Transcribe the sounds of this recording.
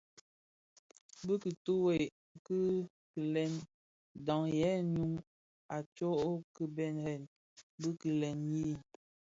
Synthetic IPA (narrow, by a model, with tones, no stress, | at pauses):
bɨ˦ki˨tu˦we˨ | kɨ˦ | ki˨lɛ˦˨n | dɔ˨ŋjɛ˨˦nu˦ŋ | a˨t͡ʃo˦ʔo˦kɨ˦bɛ˦˨nhɛ˨n | bə˦ki˨lɛ˨nji˦˨